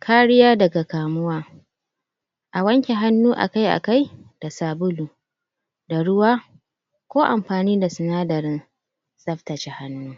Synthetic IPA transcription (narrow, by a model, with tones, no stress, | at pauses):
kʰaː˦ɽɪ˦jaː˦dɐ˨ɡa˨kaː˨mʊ˦waː˦ | ʔa˨wɐ˦ŋkʲe˨ɦa˦nːuː˦ʔa̰˨ka˦jʔa̰˨ka˦jd̥a˨saː˨bʊ˦luː˨ | da˨ɽʊ˦waː˦ | kʷoː˦ʔa̰˨mɸaː˨niː˦da˨sɪ˨naː˦dɐ˨ɾɪ˦n | sʼɐ˦ɸtɐ˨t͡ʃe˦ha˦nːuː˦